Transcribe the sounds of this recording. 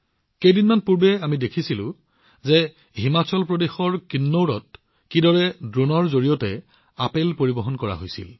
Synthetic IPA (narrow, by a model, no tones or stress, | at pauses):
kejdinmanpuɹbɛamidekʰisilʊ̰̃ | zɛ | ɦimat͡ʃɔlpɹodexɔɹkinːowɹɔt̚ | kidɔɹɛdɹunɔɹzoɹijɔtɛ | apelpoɹibɔɦɔnkɔɹa̰ɦojsḭl